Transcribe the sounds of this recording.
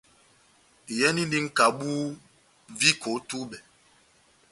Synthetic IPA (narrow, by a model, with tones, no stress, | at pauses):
jɛ˦ni˦ndi˦ŋ̩˦ka˨ɓu˦ | vi˦kʰo˨˦tu˦ɓɛ˨